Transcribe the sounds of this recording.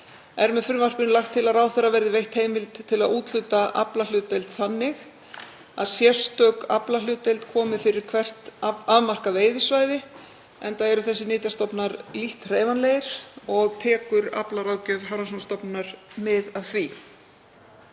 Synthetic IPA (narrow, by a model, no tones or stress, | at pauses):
ɛɾmɛðfʏɾmar̥pɪnlaxt̪ʰːɪlaðraːwθɛrːavɛɾðɪvejht̪heːjmɪlt̪t̪ʰːɪlaðuːt̪l̥ʏːt̪aʔa̰plalʏːt̪ːejlt̪θanːɪx | a̰ðsjɛst̪œka̰plalʏːt̪ːejlt̪kʰɔːmɪfɪɾɪɾ̥kʰvɛr̥t̪avmar̥kaveːjðɪsvaːjðɪ | ɛnt̪aɛɾʏθɛsːɪnɪːt̪jast̪ɔpnaɾliht̪r̥eːjvanlejɾ̥ɔɣt̪ʰɛːkʏɾa̰plaɾaːwcœðɦaɾasɔnst̪ɔpnaɾ̥mɪðavθvi